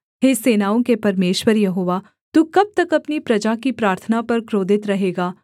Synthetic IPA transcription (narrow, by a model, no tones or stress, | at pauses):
ɦeːseːnaːõkepɐɾmeːʃwəɾjɐɦoːʋa | t̪ukɐb̚t̪ɐkɐpnipɾɐd͡ʒakipɾaːɾt̪ʰənapɐɾkɾoːd̪ʱɪt̪ɾɐɦeːɡaː